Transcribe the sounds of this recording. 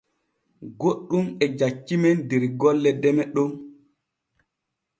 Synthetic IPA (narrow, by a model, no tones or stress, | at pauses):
ɡoɗːumɛd͡ʒat͡ʃːimɛndeɾɡɔlːɛdɛmɛɗɔm